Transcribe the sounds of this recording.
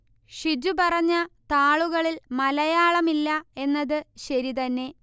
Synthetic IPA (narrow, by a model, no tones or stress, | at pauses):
ʂid͡ʑupɐrɐɲːɐt̪aːɭuɣɐɭilmɐlɐjaːɭɐmilːɐe̞nːɐðɨɕɐɾit̪ɐnːe̞